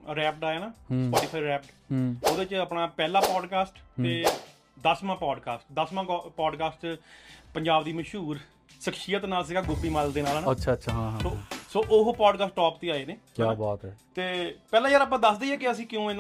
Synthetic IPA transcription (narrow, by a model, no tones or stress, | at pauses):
ɾɛːpʈaːjaːnaːɦspɔːʈiːpʰaːiɾɛːpʈɦoːd̪eːt͡ʃəpnaːpɛːlãːpɔːɖkaːsʈt̪eː | d̪əsmãːpɔːɖkaːsʈd̪əsmãːpɔːɖkaːsʈpəɲd͡ʒaːbd̪iːməʃɦuːɾ | ʃəkʃɪjət̪naːls̬ɪɡaːɡʊbiːmald̪eːnaːlaːnaəʃʰaːtːʃʰaːɦãɦosoːʔʊɦpɔːɖkaːsʈːɔːpt̪eːaːeːneːkjaːbɔːt̪ɦɛːt̪eːpɛːlãːjəɾaːp̬ãːd̪əsd̪eːɛːkɪəsĩːkɪjũːɪn